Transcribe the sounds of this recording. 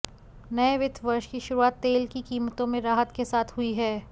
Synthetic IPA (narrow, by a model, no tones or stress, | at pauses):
nɐeʋɪd̪ʰʱʋɐɾʃkiʃʊɾuaːt̪ːeːlkikiːmət̪õmẽɾaːɦət̪kesaːt̪ʰɦʊiɦɛː